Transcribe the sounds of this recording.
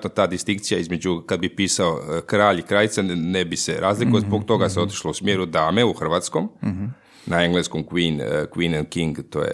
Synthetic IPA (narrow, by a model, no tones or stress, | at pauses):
t̪no̞t̪aːd̪ist̪iŋkt̪sijaizme̞d͡ʑukad̪̚bipiːsaokɾaːʎikɾaːʎit̪sanebiseɾʔaːzlikuozboɡt̪o̞ɡaseo̞t̪i̥ʃlousmjeɾud̪aːmeuxr̩ʋat̪skom | naeŋɡlˠeskomkʋiːnkʋiːnankiŋɡt̪o̰ːjḛ